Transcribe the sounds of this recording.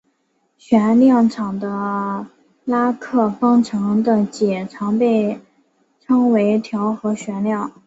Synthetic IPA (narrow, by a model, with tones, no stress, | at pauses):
ɕɥɛ˧˥nljɑ˥˩ŋʈ͡ʂʰɑ˨˩ŋd̪ə˦ | la˥kʰɤ˥˩fɑ˥ŋʈ͡ʂʰɤ˧˥ŋd̪ə˧t͡ɕjɛ˨˩ʈ͡ʂʰɑ˧˥ŋpe˥˩ɪ | ʈ͡ʂʰɤ˥ŋwe˧˥ɪt̪ʰjɑ˧˥ʊxɤ˧˥ɕɥɛ˧˥nljɑ˥˩ŋ